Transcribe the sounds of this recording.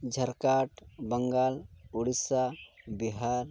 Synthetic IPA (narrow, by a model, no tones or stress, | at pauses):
d͡ʒʱəɾkaʈbəŋɡaluɽisabiɦaɾ